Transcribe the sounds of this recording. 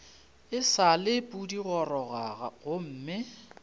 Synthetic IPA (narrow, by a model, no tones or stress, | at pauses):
ɪsalɪpʼudiɣɔrɔɣaɣa̰ɣʊm̩ːmɪ